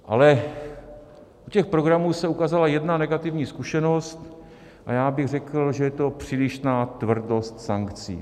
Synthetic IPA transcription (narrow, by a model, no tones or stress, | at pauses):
ʔa̰lɛ | ʔucɛxpɾoɡɾamuːsɛukaːzalajɛdnanɛɡat̪ɪvɲiːskuʃɛno̞st̪ | ʔajaːbɪɣrɛkl̩ʒɛjɛt̪o̞pr̝̥iːlɪʃnaːt̪vr̩do̞st̪saŋkt͡sḭː